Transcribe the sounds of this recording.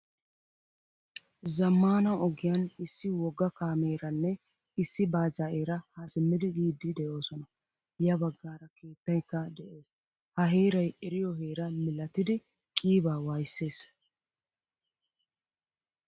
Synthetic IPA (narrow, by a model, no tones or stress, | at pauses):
zɐmːaːnɐʔɔɡɪjɐnɪsːɪwɔɡːɐkaːme̞ːɾɐnːɛ | ɪsːɪbaːzaʔe̞ːɾɐhasɪmːɪd̪ɪɡiːd̪ːɪd̪ɛjo̞ːsɔnɐ | jɐbɐɡːaːɾɐke̞ːt̪ːɐjkːɐd̪ɛʔe̞ːs | hɐɦeːɾɐjɛɾɪjɔɦe̞ːɾɐmɪlɐt̪ːɪd̪ɪ | kʼiːbaːwaːjɪsːe̞ːs